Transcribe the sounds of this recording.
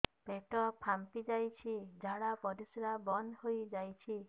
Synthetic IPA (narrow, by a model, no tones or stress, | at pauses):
peʈɔpʰampid͡ʒajt͡ʃʰid͡ʒʱaɽapɔɾisɾabɔnhojd͡ʒajt͡ʃʰi